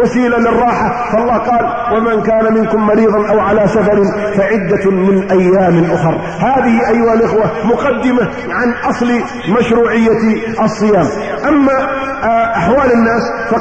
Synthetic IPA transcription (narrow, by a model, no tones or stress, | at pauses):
wasiːlalɪrˤːɑːħa | fɑʔɑlˤːɑːhqɑːl | wamankaːnamɪnkʊmːɑɾiːðˤɑnʔawʕalaːsafɑɾɪnfaʕɪd̪ːamɪnʔajːaːmɪnʔʊxɑɾˤ | haːðɪhɪʔajːʊhalʔɪxwamʊqɑd̪ːɪma | ʕanʔɑsˤl | maʃɾuːʕɪjːa | ʔɑsˤːɨjaːm | ʔamːa | ʔaħwaːlɪnːaːs | fɑ